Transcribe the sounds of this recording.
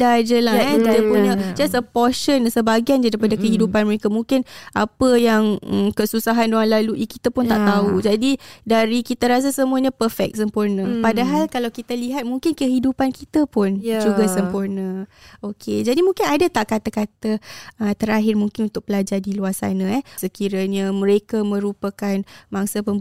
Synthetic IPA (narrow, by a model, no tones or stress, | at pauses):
dad͡ʒəlaankit̪əpuɲad͡ʒasəpɔʃənsəbaɡiand͡ʒadɾipadakəɦidupanməɾekamũŋkɪna̰pəjaŋkəsusaɦandoŋanlaluʔikit̪apʊnt̪aʔt̪aud͡ʒadidaɾikit̪aɾas̬asəmuaɲãpərfɛ̰k̚səmpurnə̃padaɦalkalawkit̪aliɦat̪̚muŋkɪnkəɦidupankit̪əpʊnd͡ʒuɡasəmpurnə̃okʰed͡ʒadimũŋkɪnadat̪aʔkat̪akat̪əət̪əɾaɦɪrmũŋkɪnunt̪ʊk̚pəlad͡ʒadiluarsa̰nãɛhsəkiɾaɲamə̃ɾekamə̃ɾupakanmaŋsapə